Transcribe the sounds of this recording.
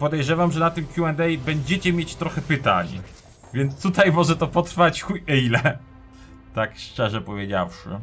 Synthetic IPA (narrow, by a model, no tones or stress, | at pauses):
pɔd̪ɛjʐɛvamʐɛnat̪ɨmkʲjuɛnd̪ɛjbɛɲd͡ʑɛt͡ɕɛmʲjet͡ɕt̪ɾɔxɛpɘt̪a̰ɲ | vʲjɛnt̪st̪ut̪ajmɔʐɛt̪ɔpɔt̪ɾfat͡ɕxujɛlɛ | t̪akʂt͡ʂɛʐɛpɔvʲjed͡ʑa̰wʂɘ̰